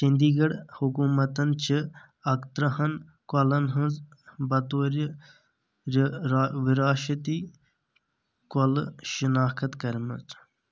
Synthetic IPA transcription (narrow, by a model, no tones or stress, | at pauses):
sind̪iːɡɐɽhukuːmɐt̪ɐnt͡ʃʰi | ɐkt̪ɾɐhɐn | kɐlɐnɦənzbɐt̪oːɾ | ʋiɾaːʃɐt̪iː | kɐlʃinaːkʰɐt̪kɐɾmɐ̰t͡s